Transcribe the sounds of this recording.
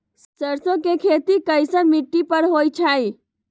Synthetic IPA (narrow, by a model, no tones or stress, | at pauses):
səɾsõkekʰet̪ikəjsənmiʈːipəɾɦojt͡ʃʰaj